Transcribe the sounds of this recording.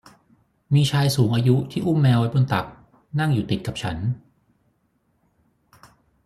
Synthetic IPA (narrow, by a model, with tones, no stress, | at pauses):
miː˧t͡ɕʰaː˧jsuː˩˦ŋʔaː˧ju˦˥t̪ʰiː˥˩ʔu˥˩mːɛː˧wa˦˥jbo˧nt̪a˨˩k̚ | na˥˩ŋjuː˨˩t̪i˨˩t̪̚ka˨˩p̚t͡ɕʰa̰˦˥n